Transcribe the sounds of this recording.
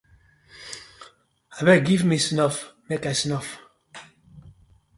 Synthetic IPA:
abɛɡivmisnɔfmekasnɔf

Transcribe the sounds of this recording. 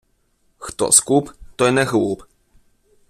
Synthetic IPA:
xt̪ɔ̰skupt̪ɔjnɛxwup

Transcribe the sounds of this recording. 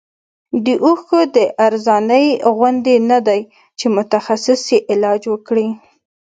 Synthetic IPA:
d̪əʔuxəd̪əʔaɾzɑnəjɣwʊnd̪enad̪aj | t͡ʃemʊt̪axasɪsjeʔɪlɑd͡ʒwəkɽi

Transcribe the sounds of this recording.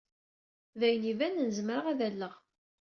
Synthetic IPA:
væjnivænənəzəmɾəʁæðælːəʁ

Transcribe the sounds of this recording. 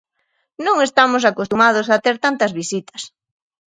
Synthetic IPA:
nõŋest̪amʊsakost̪umað̞osat̪eɾt̪ant̪ɐzβisit̪ɐ̥s

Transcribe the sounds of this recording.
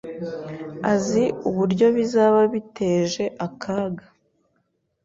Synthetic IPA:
aziuβuɾɟo̞βizaːβaβitʰe̞ːʒe̞ʔakʰaːɡa

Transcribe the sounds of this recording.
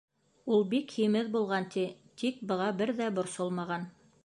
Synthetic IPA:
ulˠbikhimɘðbulˠʁɑnt̪ʰi | t̪ik̚bɤ̆ʁɑbɘɾðæbŏɾsolˠmɑʁɑn

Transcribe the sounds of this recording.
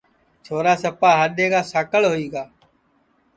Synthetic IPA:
t͡ʃʰoːɾaːsəpaːɦaɗʱeːɡaːsaːkəɭɦoiːɡaː

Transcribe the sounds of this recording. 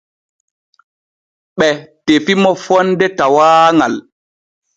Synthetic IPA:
ɓɛtefimɔfɔndɛtawaːŋal

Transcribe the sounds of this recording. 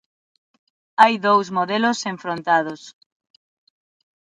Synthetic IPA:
ajðowzmoðelʊseɱfɾont̪að̞os

